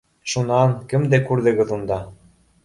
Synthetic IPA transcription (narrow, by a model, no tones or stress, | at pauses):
ʃunɑnkɘ̆md̪ekurd̪ĕɣɤ̆ðund̪ɑ